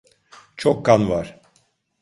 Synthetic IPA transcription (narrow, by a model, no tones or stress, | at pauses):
t͡ʃʰokːanvaɾ̥